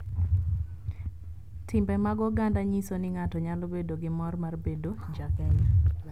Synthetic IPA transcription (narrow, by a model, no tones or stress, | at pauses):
tɪmbɛmaɡɔɡandaɲisonɪŋatɔɲalobedoɡɪmɔrmarbedod͡ʒk